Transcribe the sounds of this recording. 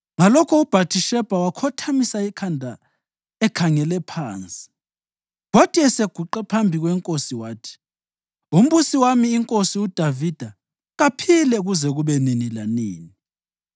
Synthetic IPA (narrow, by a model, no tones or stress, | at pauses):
ŋalɔkʰɔub̥ʱatʰiʃɛb̥ʱawakʰɔtʰamisaikʰandʱa | ɛkʰaŋɛlɛpʰaːnt͡sʼi̥ | ɣɔtʼiɛseɡ̥ʱuǃɛpʰambʱiɣwɛŋkʼosiwaːtʰi̥ | um̩ɓusiwamiːŋkʼosiud̥ʱavid̥ʱa | ɣapʰilɛɣuzɛɣuβɛninilanḭːni